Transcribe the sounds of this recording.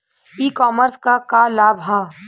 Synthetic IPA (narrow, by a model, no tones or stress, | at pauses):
iːkɔːməɾskakalaːbʱɦaː